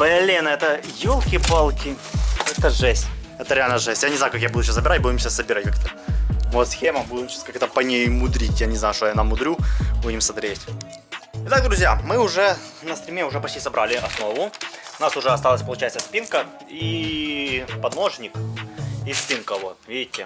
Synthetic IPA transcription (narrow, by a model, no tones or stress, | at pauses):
pɐlʲenəɛt̪əjolˠkʲɪbalˠkʲɪɛt̪əʐɛsʲtʲɛt̪əɾʲɪalʲnəʐɛsʲt̪ʲjanʲɪznaʊkakjabud̪ʊɕassəbʲɪɾat̚ʲbudʲɪmɕɪassəbʲɪɾat̚ʲkakɛt̪əvot̪sxʲemɐbudʲɪmɕaskakɛt̪əpɐnʲejmʊd̪ɾʲitʲjanʲɪznajʊʂt̪ojanamːʊd̪ɾʲubudʲɪmsɐt̪ɾʲetʲ | ɪt̪aɡ̚d̪ɾʊzʲjamɨʊʐɛ | nɐst̪ɾʲɪmʲeʊʐɛpɐtʲejsɐbɾalʲɪɐsno̞vʊʊnasʊʐɛɐst̪alˠəsʲpəlˠʊt͡ɕæjɪt̪səspʲinkə | i | pɐd̪no̞ʐnʲɪk | ispʲinkəvot̪vʲidʲɪtʲːɪ